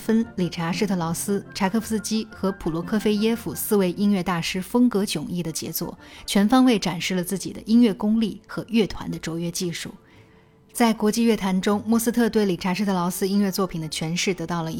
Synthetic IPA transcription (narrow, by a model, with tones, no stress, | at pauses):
fə˥nli˨˩ʈ͡ʂʰa˧˥ʂɻ̩˥˧t̪ʰɤ˥˩lɑ˧˥ʊsɹ̩˥ʈ͡ʂʰa˧˥kʰɤ˥˩fs̩˥t͡ɕi˥xɤ˧˥pʰu˨˩lwɔ˧˥kʰɤ˥fe˥ɪjɛ˥fu˨˩sɹ̩˥˧we˥˩ɪʔi˥ŋɥɛ˥˧t̪a˥˩ʂɻ̩˥fɤ˥ŋkɤ˧˥t͡ɕjʊ˨˩ŋi˥˩d̪ə˩t͡ɕjɛ̰˧˥t͡swɔ̰˥˩t͡ɕʰɥɛ˧˥nfɑ˥ŋwe˥˩ɪʈ͡ʂa˨˩nʂɻ̩˥˩lə˩t͡sɹ̩˥˩t͡ɕi˨˩d̪ə̰˦ʔi˥nɥɛ˥˩kʊ˥ŋli˥˩xɤ˧˥ɥɛ˥˩t̪ʰwa̰˧˥nd̪ə˧ʈ͡ʂo˧˥ʊɥɛ˥t͡ɕi˥˧ʂṵ˥˩ | t͡sa˥˩ɪkwɔ˧˥t͡ɕi˥˧ɥɛ˥˩t̪ʰa˧˥nʈ͡ʂʊ˥ŋmwɔ˥˧sɹ̩˥t̪ʰɤ˥˧t̪we˥˩ɪli˨˩ʈ͡ʂʰa˧˥ʂɻ̩˥˧t̪ʰɤ˧lɑ˧˥ʊsɹ̩˥i˥ŋɥɛ˥˧t͡swɔ˥˩pʰi˨˩nd̪ə˦t͡ɕʰɥɛ˧˥nʂɻ̩˥˩t̪ɤ˧˥t̪ɑ˥˩ʊlə˩˧˥